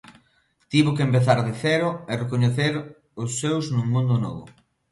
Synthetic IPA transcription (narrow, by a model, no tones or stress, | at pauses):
t̪iβʊkempeθaɾðeθɛɾʊerekoɲeθeɾ | ʊsːewznũŋmũnd̪ʊnɔ̰βʊ̰